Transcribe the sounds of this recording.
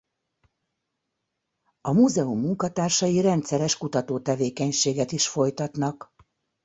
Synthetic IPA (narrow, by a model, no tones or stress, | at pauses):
ɒmuzɛumːuŋkɒt̪aːrʃɒjiɾɛnt̪sɛɾɛʃkut̪ɒt̪oːt̪ɛveːkɛɲʃeːɡɛt̪iʃfo̞jt̪ɒt̪nɒk